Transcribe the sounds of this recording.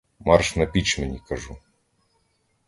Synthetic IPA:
mɑrʃnɐpʲit͡ʃmenʲikɐʒu

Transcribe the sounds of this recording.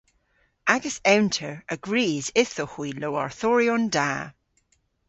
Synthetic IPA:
aɡəsɛntʰəɹəɡɹiːzɪθohwiloa̰ɹθɔɹiɔ̃nda̰ː

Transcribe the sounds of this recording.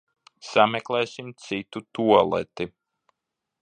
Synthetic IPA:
samɛklˠɛːsʲimt̪sit̪ut̪uɔlˠɛ̰t̪i

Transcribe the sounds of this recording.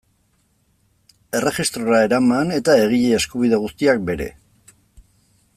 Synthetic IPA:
e̞re̞ʝist̪ɾoɾae̞ɾamane̞t̪ae̞ɣ̞iʎeːskuβiðe̞ɣust̪iak̚be̞ɾe̞̰

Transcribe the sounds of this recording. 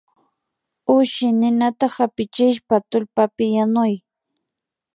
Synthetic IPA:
ʊʃɪnɪnat̪ahapɪt͡ʃɪʃpat̪ʊlpapɪjanʊj

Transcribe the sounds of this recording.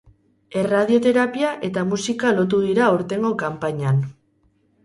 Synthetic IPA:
e̞raðio̞t̪e̞ɾapiaʔe̞t̪amusikalo̞t̪̬uðiɾaoɾt̪e̞ŋɡo̞kampaɲan

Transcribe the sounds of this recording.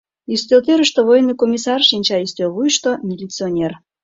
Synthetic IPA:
yst̪ølt̪øɾəʃt̪oβojnːojkomʲisɑrʃinʲt͡ɕɑyst̪ølβujəʃt̪onʲilʲit͡sɨonʲer

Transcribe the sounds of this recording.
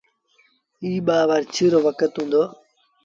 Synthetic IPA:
iːɓaːʋəɾt͡ʃʰiːɾoːʋəkət̪ɦũːnd̪oː

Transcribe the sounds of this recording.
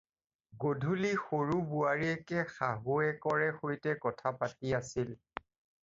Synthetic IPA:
ɡodʱulixoɹubuaɹiɛkɛxaɦoɛkɔɹɛxojtɛkɔtʰapatiasil

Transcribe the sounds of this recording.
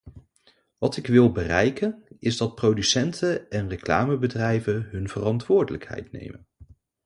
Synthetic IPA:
ʋɑtɪkʋɪlˠbərɛjkənɪzdɑt̚prowdysɛntʰəɛnrəkla̰ːməbədrɛjvəɦɵnvərɑntʋʊːɹdələkɦɛ̰jtnḛjmə̰n

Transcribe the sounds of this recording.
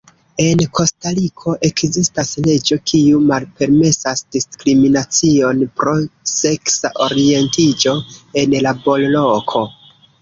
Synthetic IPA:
e̞nkʰo̞stalikʰo̞ʔe̞kzistasle̞d͡ʒo̞kʰiumalpe̞ɾme̞sasd̥iskɾiminat͡sio̞npɾo̞se̞ksaʔo̞ɾie̞ntid͡ʒoe̞nlabo̞llo̞kʰo̞

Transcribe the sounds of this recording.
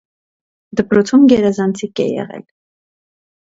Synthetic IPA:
d̪əpɾɔt͡sʰumɡɛɾɛzɑnt͡sʰikɛ̰jɛ̰ʁɛ̰l

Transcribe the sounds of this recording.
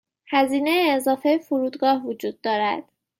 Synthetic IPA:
hæziːnejeːzɒːfejefoɾuːd̪ɡɒːhvod͡ʒuːd̪ːɒːɾæ̰d̪̥

